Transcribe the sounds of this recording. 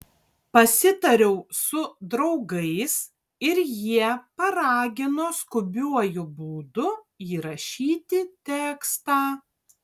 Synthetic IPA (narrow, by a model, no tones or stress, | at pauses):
pɐsʲɪt̪ɐɾʲɛʊsʊd̪ɾɒʊɡɐɪs | ɪɾjiɛpɐɾɑːɡʲɪnoːskʊbʲuɔjʊbuːd̪ʊ | iːɾɐʃʲiːt̪ʲɪt̪ʲɛːkst̪ɑː